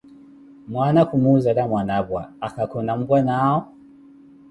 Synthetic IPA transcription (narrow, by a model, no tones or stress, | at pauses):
mwanakumuzalamwanabwa̰akakɔnam̩bwanaɔ